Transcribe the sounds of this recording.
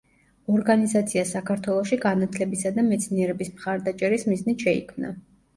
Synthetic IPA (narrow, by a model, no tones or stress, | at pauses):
ɔɾɡanizat̪sʰiasakʰaɾt̪ʰwɛlˠɔʃiɡanat̪ʰlɛbisad̪amɛt̪sʰniɛɾɛbismχaɾd̪at͡ʃʼɛɾismiznit̪ʃɛḭkʰmna̰